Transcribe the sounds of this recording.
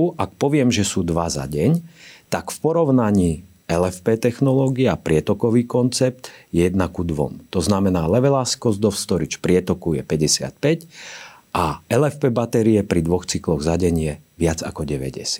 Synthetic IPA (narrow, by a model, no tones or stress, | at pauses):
ʔak̚pɔʋɪɛmʒɛsuːd̪ʋaza̰ɟɛɲt̪akfpɔɾɔʊnaɲiː | ɛlɛfpɛt̪ɛxnɔlɔːɡiɛapɾɪɛt̪ɔkɔʋiːkɔnt͡sɛp̚t̪jɛjɛd̪nakud̪ʋɔ̰mt̪ɔznamɛnaːlɛʋɛlaskɔzd̪ɔfst̪ɔɾit͡ʃpɾɪɛt̪ɔkujɛpɛɟɛsɪa̰t̪̚pɛc | ʔaɛlɛfpɛbat̪ɛɾiɛpɾid̪ʋɔxt͡siklɔɣzaɟɛɲɪɛʋɪad͡za̰kɔɟɛʋɛ̰ɟɛ̰sɪa